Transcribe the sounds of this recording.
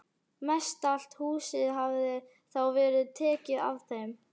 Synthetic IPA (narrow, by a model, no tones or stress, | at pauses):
mɛst̪al̥t̪huːsɪðɦavðɪ | θawvɛːɾɪðt̪ʰɛːcɪða̰vθejm